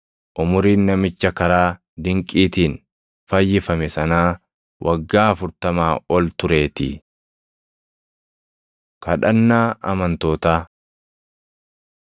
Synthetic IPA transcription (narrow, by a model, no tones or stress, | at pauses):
ʔʊmʊɾiːnːɐmɪt͡ʃːɐkɐɾaː | d̪ɪŋkʼiːt̪iːn | fɐjːɪfɐmɛsɐnaː | wʔɐɡːaːɐfʊɾt̪ɐmaːɔlt̪ʊɾe̞ːt̪ɪ̰ | kɐᶑɐnːaːʔɐmɐnt̪o̞ːt̪aː